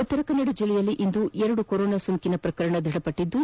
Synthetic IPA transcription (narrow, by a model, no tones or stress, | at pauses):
ut̪ːɐɾɐkɐnːɐɽud͡ʒilːɛjɐlːiʔind̪uɛɾɐɽukoɾoːnaːsuŋkinɐpɾɐkɐɾɐɳɐd̪ʱɐɽɐpɐʈːid̪ːu